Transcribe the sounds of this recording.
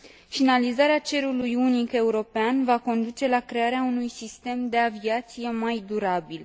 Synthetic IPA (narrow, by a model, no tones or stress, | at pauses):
finalizaɾeat͡ʃe̞ɾulujunike̞uɾo̞peanvako̞nd̪ut͡ʃe̞lakɾe̞aɾeaunujsist̪e̞md̪e̞aviat̪sije̞majd̪uɾabil